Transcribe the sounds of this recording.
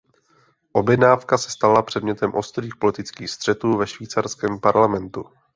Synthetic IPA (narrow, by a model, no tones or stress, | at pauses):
ʔo̞bjɛdnaːfkasɛ̥st̪alapr̥ɛdmɲɛt̪ɛmʔo̞st̪riːxpo̞lɪt̪ɪt͡skiːxst̪r̝̥ɛt̪uːvɛʃviːt͡sarskɛːmpaɾlamɛnt̪u